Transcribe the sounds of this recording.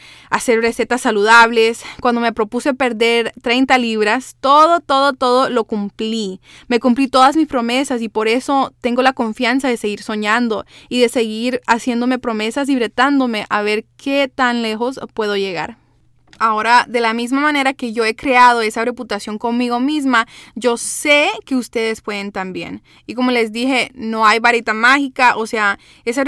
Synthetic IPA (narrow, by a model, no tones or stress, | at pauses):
ase̞ɾre̞se̞t̪asːaluðaβle̞skwand̪o̞me̞pɾo̞puse̞pe̞ɾðe̞ɾt̪ɾe̞jnt̪aliβɾast̪o̞ðo̞t̪o̞ðo̞t̪o̞ð̞o̞lo̞kumpli | me̞kumplit̪o̞ðazmispɾo̞me̞sasipo̞ɾe̞so̞t̪eŋɡo̞lako̞ɱfjans̬aðe̞se̞ɣiɾso̞ɲãnd̪o̞iðe̞se̞ɣiɾasje̞nd̪ome̞pɾo̞me̞sas̬iβɾe̞t̪and̪o̞me̞ʔaβe̞ɾkʰe̞t̪anle̞xo̞spwe̞ð̞o̞ʝe̞ɣa̰ɾ | ao̞ɾaðe̞lamizmamãne̞ɾake̞ʝo̞e̞kɾe̞að̞o̞e̞sare̞put̪asjo̞ŋko̞nmiɣo̞mizmaʝo̞se̞ke̞ust̪e̞ðe̞spwe̞ð̞ent̪ambje̞̰n | iko̞mo̞le̞zd̪ixe̞no̞ajβaɾet̪amaxikaʔose̞a | es̬a